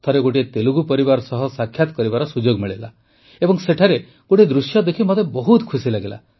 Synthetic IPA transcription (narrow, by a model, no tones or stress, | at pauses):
t̪ʰɔɾeɡoʈiet̪eluɡupɔɾibaɾɔsɔɦɔsakʰːjat̪ɔ̥kɔɾibaɾɔsud͡ʒoɡmiɭela̰ | ebɔŋseʈʰaɾe | ɡ̥oʈid̪ɾusjɔd̪ekʰimot̪ebɔɦut̪kʰusilaɡela̰